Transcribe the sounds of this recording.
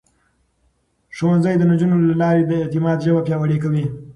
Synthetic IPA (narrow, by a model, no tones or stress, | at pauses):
ʂowanzəjd̪ənad͡ʒunolalɑɾebeːt̪ɪmɑd̪ʒəbapjɑwaɽekawi